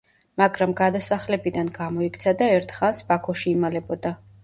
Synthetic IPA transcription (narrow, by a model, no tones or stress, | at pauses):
maɡɾamɡad̪asaχlɛbid̪anɡamɔikt̪sʰad̪aɛɾt̪ʰχansbakʰɔʃiːmalɛbɔd̪a